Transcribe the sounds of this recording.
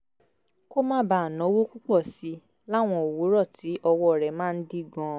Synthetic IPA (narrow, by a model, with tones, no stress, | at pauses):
ko˦mãː˦ba˨nɔ̃˨˦wo˦ku˦k͡pɔ˦˨si˨˦ | la˦˨w̃ɔ̃˧o˨wo˨˦ɾɔ˦˨tʰi˨˦ʔɔ˧wɔ˦˨ɾɛ˨mãː˦˧n̩˦di˦ɡɔ̃˧˨